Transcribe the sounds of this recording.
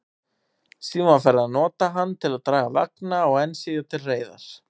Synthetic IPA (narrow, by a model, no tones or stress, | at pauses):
simafaɾɪaðnɔːt̪aɦanːt̪ʰɪlaðt̪ɾaːɣava̰knaɔɣɛnsɪðjat̪ʰɪlreːjða̰ɾ̥